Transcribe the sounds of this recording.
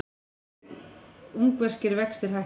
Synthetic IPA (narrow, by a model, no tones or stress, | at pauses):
uŋkvɛr̥cɪɾvɛkst̪ɪɾ̥ɦaj